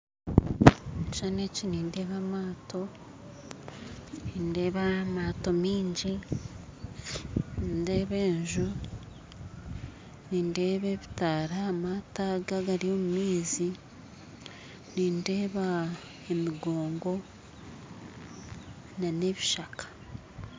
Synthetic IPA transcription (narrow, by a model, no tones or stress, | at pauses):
t͡ʃaːneciniːnde̞ːβamaːtʰo̞ | niːnde̞ːβamaːto̞miːɲɟi | ninde̞ːβe̞ːɲʒu | niːnde̞ːβe̞βitaɾaːmataɡaɡaɾio̞ːmumiːzi | niːnde̞ːβa | emiɡo̞ːŋɡo̞ | nane̞βiʃakḁ